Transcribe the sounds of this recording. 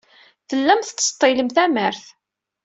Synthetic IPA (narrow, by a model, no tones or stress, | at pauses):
θəlːæmθət͡sːt̪ˤːɪləmθæməɾθ